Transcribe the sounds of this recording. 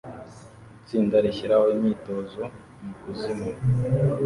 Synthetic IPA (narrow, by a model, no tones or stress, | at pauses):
t͡siːndaɾiçiɾahoimiːto̞zo̞ | mukuzimu